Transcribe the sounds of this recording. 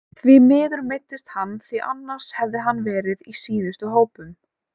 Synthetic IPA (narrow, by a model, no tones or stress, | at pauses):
θvɪmɪːðʏɾmejt̪ːɪst̪hanːθiʔa̰nːaɾ̥shɛvðɪɦanːvɛːɾɪðisiːðʏst̪ʏɦoːwpʏm